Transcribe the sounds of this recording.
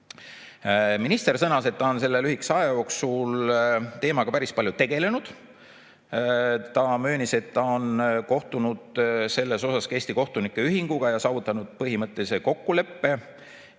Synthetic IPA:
minist̪e̞rsɤnɑse̞t̪ːɑonse̞lːe̞lyhiksɑejo̞ːksult̪e̞ːmɑɡ̥ɑpæɾispɑlʲjut̪e̞ɡ̥e̞le̞nud̪̥ | t̪ɑmø̞ːnise̞t̪ːɑo̞nko̞ht̪unud̪̥se̞lːe̞so̞sɑske̞ːsʲt̪iko̞ht̪unikːˑe̞yɦiŋɡ̥uɡ̥ɑjɑsɑːvut̪ːˑɑnud̪̥pɤɦimɤt̪ːˑeiseko̞kːule̞pːe̞

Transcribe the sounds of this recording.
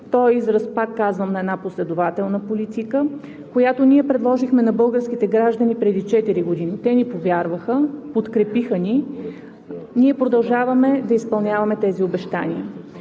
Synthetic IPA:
t̪ɔjizɾɐspak̪kːazvəmnɐɛd̪naposlɛd̪ʊvat̪ɛlˠnəpolit̪ikə | kojat̪oniɛpɾɛd̪lˠɔʒixmɛnɐbɤlˠɡəɾsk̟it̪ɛɡɾaʒd̪ənipɾɛd̪it͡ʃɛt̪iɾiɡod̪init̪ɛnipovʲjaɾvəxəpot̪kɾɛpixəni | niɛpɾod̪ɐlˠʒavɐmɛd̪ɐispɐlˠnʲavɐmɛt̪ɛziobɛʃt̪a̰niə

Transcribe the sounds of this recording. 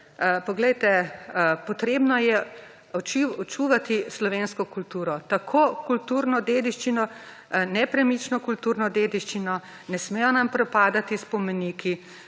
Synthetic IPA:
pɔɡlɛjt̪ɛpɔt̪ɾeːbnɔjɛ | ɔt͡ʃiɔt͡ʃuːʋat̪islɔʋeːnskɔkult̪uːɾɔt̪akʰoːkult̪uɾnɔd̪eːd̪iʃt͡ʃinɔ | nɛpɾɛmit͡ʃnɔkult̪uːɾnɔd̪eːd̪iʃt͡ʃinɔ | nɛsmɛjɔnampɾɛpaːd̪at̪ispɔmɛniːkʰi

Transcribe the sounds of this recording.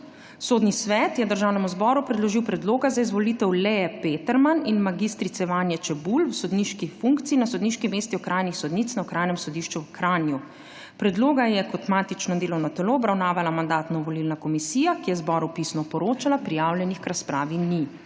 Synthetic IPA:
soːd̪nisʋɛːt̪jɛd̪əɾʒaːwnɛmuzbɔɾupɾɛd̪lɔʒiwpɾɛd̪loːɡazaizʋɔliːt̪ɛwlɛɛpeːt̪ɛɾmaninmaɡist̪ɾit̪sɛʋanjɛt͡ʃɛbulwsɔd̪niʃkifuŋkt̪siːnasɔd̪niːʃkimeːst̪iɔkɾaːjnixsɔd̪niːt̪snawkɾaːjnɛmsɔd̪iʃt͡ʃuwkɾanju | pɾɛd̪loːɡajɛkɔt̪maːt̪it͡ʃnɔd̪eːlɔwnɔt̪ɛloːbɾawnaːʋalamand̪aːt̪nɔʋɔlilnakɔmisiːjakijɛzbɔːɾupisnɔpɔɾoːt͡ʃalapɾijaːwljɛnixkɾaspɾaːʋini

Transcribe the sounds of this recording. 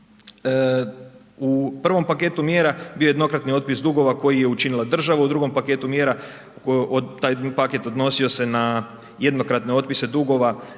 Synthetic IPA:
upr̩ʋo̞mpake̞ːt̪umjeːɾabiːojed̪no̞kɾat̪nio̞t̪̚pisd̪uɡo̞ʋako̞jije̞ut͡ʃinilˠad̪r̩ʒaʋaud̪ɾuɡo̞mpake̞ːt̪umje̞ːɾa | t̪aːjpake̞t̪o̞d̪no̞sio̞se̞na | je̞d̪no̞kɾat̪ne̞o̞t̪̚pise̞d̪uɡo̞ʋa

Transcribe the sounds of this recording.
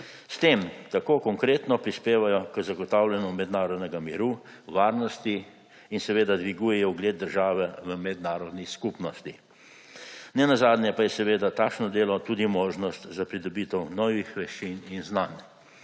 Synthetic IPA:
st̪eːmt̪akoːkɔŋkɾeːt̪nɔpɾispeːʋajɔkəzaɡɔt̪aːwlʲɛnɔmɛd̪naːɾɔd̪nɛɡamiɾu | ʋaːɾnɔst̪i | insɛʋeːd̪ad̪ʋiɡuːjɛjɔuɡleːt̪̚d̪əɾʒaːʋɛʋəmɛd̪naːɾɔd̪niskupnɔst̪i | nɛnazaːd̪njɛpajɛsɛʋeːd̪at̪aːkʃnɔd̪eːlɔt̪ud̪imoːʒnɔst̪zapɾid̪ɔbiːt̪ɛwnɔːʋixʋɛʃt͡ʃininznan

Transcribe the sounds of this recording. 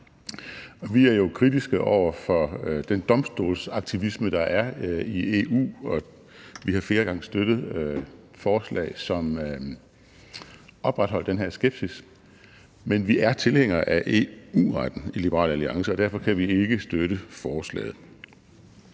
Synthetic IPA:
ɒ̽ʋiæɐjo̝kʰʁidisɡ̥əʔɒʊ̰ɐfɒ̽d̥end̥ɒ̽msd̥o̝̰ːlsɑ̈ɡ̥̚t͡sʰiʋisməd̥ɑ̈ʔæɐie̝ːṵːɒ̽ | ʋihɑ̈fle̝ːɐɡ̥ɑ̈ŋ̰əsd̥ød̥ð̩ˠ | fɒːslɛ̰ːɪsɒ̽m | ʔɒ̽b̥ʁad̥hɒ̽l̰d̥enɦeɐ̰sɡ̥eb̥sis | menʋiʔæɐt͡sʰe̝lheŋ̰ɐʔæʔe̝̰ṵːʁɑd̥n̩ilib̥əʁɑ̰̈ːlæliɑ̈ŋsəɒd̥æɐfɒ̽kʰæʋie̝ɡ̥əsd̥øɾəfɒːslɛ̰ːð̞̩ˠ

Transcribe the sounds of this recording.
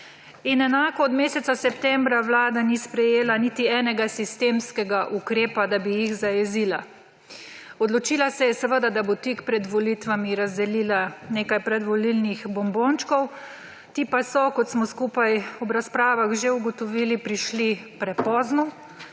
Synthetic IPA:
inɛnaːkɔːd̪meːsɛt̪sasɛpt̪ɛmbɾaʋlaːd̪anispɾɛjeːlanit̪iɛːnɛɡasist̪emskɛɡaʔukɾeːpad̪abijiɣzajɛzila | ɔd̪lɔt͡ʃiːlasɛjɛsɛʋəd̪ad̪abot̪ikpɾɛd̪ʋɔlit̪ʋamiɾazd̪ɛlilaneːkajpɾɛd̪ʋɔlilnixbɔmboːnt͡ʃkɔw | t̪iːpasɔkɔt̪smɔskuːpajɔbɾaspɾaːʋaɣʒeuɡɔt̪ɔʋiːlipɾiʃlipɾɛpɔːznu

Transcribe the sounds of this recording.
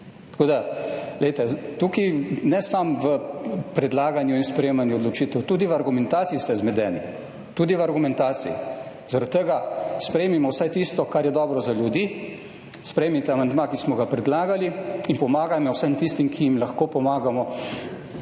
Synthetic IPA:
t̪ɐ̥koːd̪aɡlɛjt̪ɛt̪ukinɛsamʋəpɾɛd̪laːɡanjuinspɾɛjeːmanjuɔd̪lɔt͡ʃiːt̪ɛwt̪uːd̪iʋaɾɡumɛnt̪aːt̪siist̪ɛzmɛd̪ɛːni | t̪uːd̪iʋaɾɡumɛ̃nt̪aːsiḭ | zaɾɐt̪ːəɡaspɾɛjemimɔwsajt̪ist̪ɔkaɾjɛd̪ɔːbɾɔzaljud̪iː | spɾɛjmit̪ɛamand̪makismɔɡapɾɛd̪laːɡaliinpɔmaːɡamɔwsəmt̪ist̪imkʰijimlɐxkoːpɔmaːɡamɔ

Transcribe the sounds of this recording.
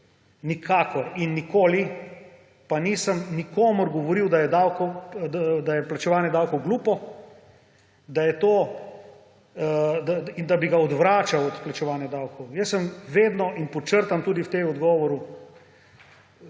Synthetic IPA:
nikʰaːkɔɾinːikoːli | panisəmnikoːmuɾɡɔʋɔɾiwd̪ajɛd̪awkɔd̪ad̪ajɛplat͡ʃɛʋaːnjɛd̪awkɔwɡluːpɔ | d̪ajɛt̪oː | d̪aind̪abiɡaɔd̪ʋɾaːt͡ʃawɔt̪plat͡ʃɛʋaːnjɛd̪awkɔwjəsːəmʋeːd̪nɔinpɔt͡ʃəɾt̪amt̪uːd̪iwt̪eɔd̪ɡɔːʋɔɾu

